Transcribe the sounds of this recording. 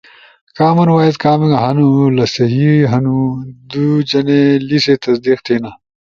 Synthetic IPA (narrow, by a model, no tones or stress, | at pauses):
kaːmɐnwaːjid̪kaːmeɡɐɦɐnulɐsɐɦiɦɐnud̪ud͡ʑɐneliset̪ɐsd̪iːqt̪ʰiːnaː